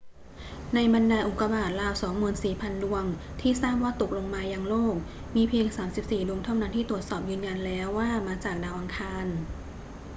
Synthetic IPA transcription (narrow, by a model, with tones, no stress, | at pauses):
na˧jba˧ndaː˧ʔu˨˩kːa˧baː˨˩t̪̚ɾaː˧wsɔː˩˦ŋmuː˨˧˩ənsiː˨˩pʰa˧ndu˧əŋ | t̪ʰiː˥˩saː˥˩p̚waː˥˩t̪o˨˩k̚lo˧ŋmaː˧jaː˧˩ŋloː˥˩k̚ | miː˧pʰi˧əŋsaː˩˦msi˨˩p̚siː˨˩du˧əŋt̪ʰa˥˩wna˦˥nt̪ʰiː˥˩t̪u˨˩ət̪̚sɔː˨˩p̚jɯː˧nja˧nlɛː˦˥wːaː˥˩maː˧t͡ɕaː˨˩k̚daː˧wʔa˧ŋkʰaː˧n